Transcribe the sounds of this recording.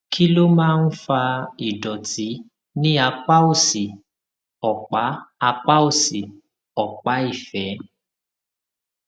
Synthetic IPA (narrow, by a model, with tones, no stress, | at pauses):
kʰi˦lo˦mãː˦˧n̩˦fa˧i˨dɔ˨ti˨˦ | nĩ˦a˧k͡pa˦o˦˨si˨ | ɔ˨k͡pa˨˦a˧k͡pa˦o˦˨si˨ | ɔ˨k͡pa˨˦i˦˨fɛ˨˦